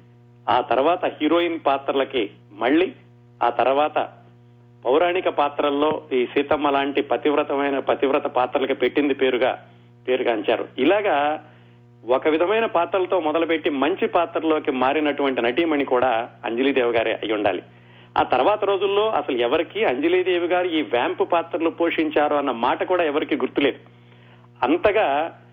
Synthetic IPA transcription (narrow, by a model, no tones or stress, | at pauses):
aːt̪ɐɾuʋaːt̪ɐhiːɾo̞ːjinpaːt̪ɾɐlɐki | mɐɭːiː | a̰ːt̪ɐɾuʋaːt̪ɐ̰ | pɐwɾaːɳikɐpaːt̪ɾɐlːo̞ːiːsiːt̪ɐmɐlaːɳʈipɐt̪iʋɾɐt̪ɐmɐjnɐpɐt̪iʋɾɐt̪ɐpaːt̪ɾɐlɐkipe̞ʈːind̪ipe̞ːɾuɡa̰ː | pe̞ːɾuɡaːɐɲt͡ʃa̰ːɾṵilaːɡaː | ɔkɐʋid̪ʱɐmɐjnɐpaːt̪ɾɐlɐt̪o̞ːmɔd̪ɐlup̬e̞ʈːimɐɲt͡ʃipaːt̪ɾɐloːkimaːɾinɐʈuʋɐɳʈinɐʈ̬iːmɐnikuːɽaːɐ̰ɲd͡ʒɐliːd̪eːʋuɡaːɾḭɐ̰jːuɳɖa̰ːlḭ | a̰ːt̪ɐɾɐʋaːt̪ɐɾo̞ːd͡ʒulːo̞ːʔɐ̰sɐluɛʋɐɾikiɐɲd͡ʒiliːd̪e̞ːʋuɡaːɾiiːʋjaːmpupaːt̪ɾɐlupoːʂiɲt͡ʃaːɾuɐnːɐmaːʈɐkuːɽaːɛʋɐɾikiːɡuɾt̪ːule̞ːd̪u | ɐnt̪ɐɡaː